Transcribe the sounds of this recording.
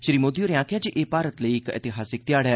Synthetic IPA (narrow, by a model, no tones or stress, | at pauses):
ʃɪɾiːmoːd̪ioːɾɪjãːkjaːd͡ʒiʔeːpaːɾət̪ləiɪkɛ̰t̪ɪɦaːsɪk̚t̪jaːɽa